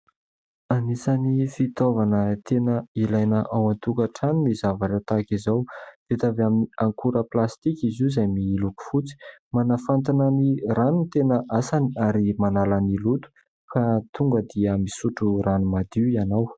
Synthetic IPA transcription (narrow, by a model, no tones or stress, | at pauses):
anisanifit̪ovanət̪enəilajnəʔawant̪ukaʈ͡ʂaninizavaʈ͡ʂat̪akizawd̪̥et̪avaminiaŋkuɾəplast̪ikizuzajmiluku̥fut͡si̥manafant̪ananiranunt̪enəʔasaniaɾimanalanilut̪u̥ | kat̪uŋɡəd̪iəmisuʈ͡ʂuranumad̪iianaw